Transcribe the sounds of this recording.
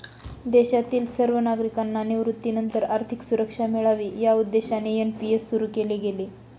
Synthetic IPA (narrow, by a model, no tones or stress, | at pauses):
d̪eɕat̪iːlsəɾʋənaɡɾikanːaneʋɾut̪ːinənt̪əɾaɾt̪ʰiksuɾəkʂamiɭaʋiːjaud̪ːeɕanejənpijesːuɾuːkeleɡele